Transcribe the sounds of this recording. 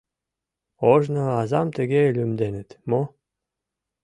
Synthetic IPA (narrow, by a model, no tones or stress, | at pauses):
oʒnoɑzɑmt̪ɘ̆ɡelʲymd̪enɘ̆t̪mo